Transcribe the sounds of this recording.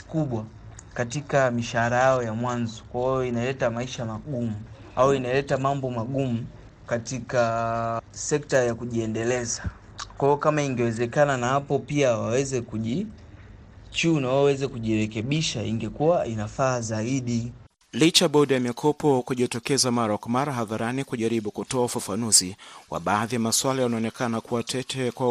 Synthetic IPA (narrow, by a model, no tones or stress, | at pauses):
kuɓwa | katikamiʃahaɾajajɔjamwanzɔ̥kwaijɔinalɛtamaiʃamaɠumu | awɔinalɛtamambɔmaɠumu | katika | sɛktajakuʄiɛndɛlɛza | kwaiɔkamaiŋɡɛwɛzɛkananahapɔpiawawɛzɛkuʄi | t͡ʃuːnawawɛzɛkuʄiɾɛkɛɓiʃaiŋɡɛkuwaʔinafaːzaiɗi | lit͡ʃaɓɔɗijamikʰɔpɔkuʄitɔkɛzamaɾakwamaɾaɦaðaɾanikuʄaɾiɓukutɔaufafanuziwa̰ɓaːðijamaswalajanaɔnɛkanakuwatʰɛtʰɛkwa